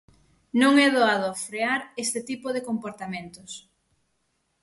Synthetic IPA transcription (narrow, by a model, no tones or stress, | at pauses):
nõŋɛðoaðofɾeaɾest̪ɪt̪ipoðekompoɾt̪amẽnt̪ʊs